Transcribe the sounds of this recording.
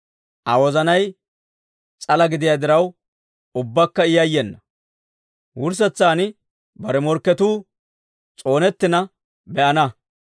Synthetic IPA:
ʔɐwɔzɐnɐj | t͡sʼɐlɐɡɪd̪ɪjad̪ɪɾɐw | ʊbːɐkːɐɪjɐjːɛnːɐ | wʊɾs̬ɛt͡sːaːnɪ | bɐɾɛmɔɾkːɛt̪uː | t͡sʼo̞ːnɛt̪ːɪnɐ | bɛʔɐnɐ

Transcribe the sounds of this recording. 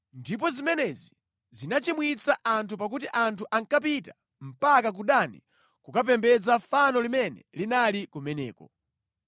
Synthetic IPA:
ndip̬ɔzimɛnɛzi | zinat͡ʃimwit͡saʔantʰupak̬utiʔantʰuʔaŋkap̬ita | m̩pakak̬uɗanḭ | kukap̬ɛmbɛd͡zafanɔlimɛnɛ̰linalikumɛnɛ̰ːkɔ̰

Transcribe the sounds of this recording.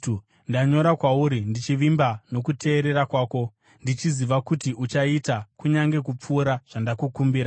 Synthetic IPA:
ndaɲo̞ɾakwauɾindit͡ʃiʋimbano̞kute̞ːɾe̞ɾakwaːko | ndit͡ʃiziʋakutiʔut͡ʃaitakuɲaŋɡe̞kup͡fuːɾaʐ̥andakukumbiːɾa

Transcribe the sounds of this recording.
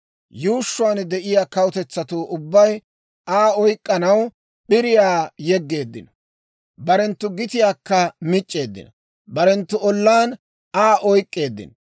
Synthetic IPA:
juːʃːʊaːnd̪ɛʔɪjaːkɐwʊt̪ɛt͡sːɐt̪uːʔʊbːɐj | aːɔjkʼːɐnɐw | ɓɪɾɪjaːjɛɡːe̞ːd̪ːɪnɐ | bɐɾɛnt̪ːʊɡɪt̪ɪjaːkːɐmɪt͡ʃʼːe̞ːd̪ːɪ̰nɐ | bɐɾɛnt̪ːʊɔlːaːn | aːʔɔjkʼːe̞ːd̪ːɪ̰n

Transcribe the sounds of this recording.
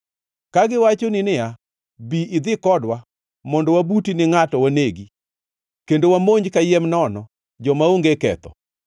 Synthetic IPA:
kaɡɪwat͡ʃoninɪa | biɪd̪ɪkɔdwa | mɔndɔwabutinɪŋatɔwaneɡi | kendowamoɲd͡ʒkajɛmnɔnɔ | d͡ʒɔmaoŋɡekɛ̰t̪ɔ̰

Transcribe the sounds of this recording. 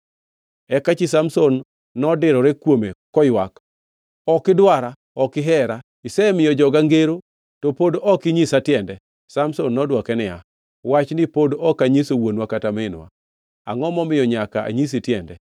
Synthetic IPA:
ɛkat͡ʃisamsonː | ɔdɪɾɔɾɛkwomekɔjwak | ɔkɪdwaɾa | ɔkɪɦɛɾa | ɪsɛmɪjɔd͡ʒɔɡaŋɡeɾo | tɔpodɔkɪɲisatjɛndɛ | samsonːɔdwakɛnɪja̰ | wat͡ʃnɪpodɔkaɲisowonwakatamɪnwa̰ | a̰ŋɔmɔmɪjɔɲakaʔa̰ɲis̬itjɛndɛ̰

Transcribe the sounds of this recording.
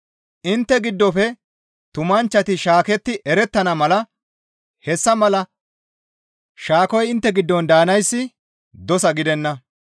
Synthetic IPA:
ʔɪnt̪ːɛɡɪd̪ːɔfɛ | t̪ʊmɐnt͡ʃːɐt̪ɪʃaːkɛt̪ːɪʔɛɾɛt̪ːɐnɐmɐlɐ | hɛsːɐmɐlɐ | ʃaːkɔjɪnt̪ːɛɡɪd̪ːɔnd̪aːnɐjsːɪ | d̪ɔsɐɡɪd̪ɛnːɐ

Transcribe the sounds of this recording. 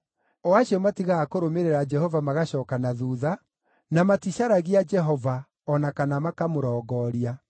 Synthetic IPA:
ɔwaɕiɔmatiɣakoɾomeɾeɾad͡ʒɛɦɔvamaɣaɕɔːkanaðuːða | namatiɕaɾaɣiad͡ʒɛɦɔva | ɔnakanamakamoɾɔːɡɔɾia

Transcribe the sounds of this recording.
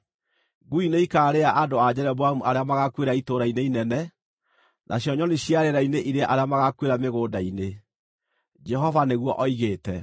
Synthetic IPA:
ɡuineikaːɾeaʔadoad͡ʑɛɾɛβwamuaɾeamaɣakweɾaitoɾaineinɛnɛ | nʔa̰ɕjɔɲɔneɕjaɾeɾaineʔiɾeʔaɾeamaɣakweɾameɣoːdaine | d͡ʒɛɦɔvaneɣwɔʔɔiɣeːtɛ

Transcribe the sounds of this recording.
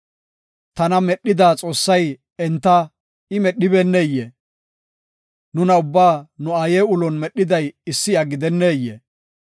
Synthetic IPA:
t̪ɐnɐmɛɗːɪd̪aːt͡sʼo̞ːsːɐj | ɛnt̪ːɐ | ɪmɛɗːɪbenːeːjːe | nʊnɐʊbːaːnʊaːjeːʊlɔnmɛɗːɪd̪ɐjɪsːɪɐɡɪd̪ɛnːeːjːḛ

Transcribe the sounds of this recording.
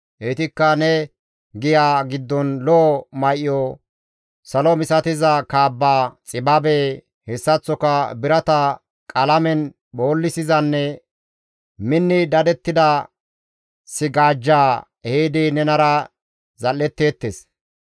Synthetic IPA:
ʔɛt̪ɪkːɐnɛ | ɡɪjaːɡɪd̪ːɔnlɔmɐjʔɪɔ | sɐlɔmɪsɐt̪ɪzɐkaːbːaːt͡sʼɪbabe | hɛsːɐt͡sːɔkɐbɪɾɐt̪ɐ | kʼɐlɐmɛn | boːlːɪsɪzɐnːɛ | mɪnːɪd̪ɐd̪ɛt̪ːɪd̪ɐ | sɪɡaːd͡ʒːaː | heːd̪inɛnɐɾɐ | zɐlːɛt̪ːe̞ːt̪ːes

